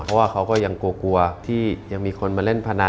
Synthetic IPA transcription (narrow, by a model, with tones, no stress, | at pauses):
pʰɔ˦˥waː˥˩kʰa˦˥wkɔː˥˩ja˧ŋkuː˧ku˧ɐt̪ʰiː˥˩ja˧ŋmiː˧kʰo˧nmaː˧le˥˩npʰa˧na˧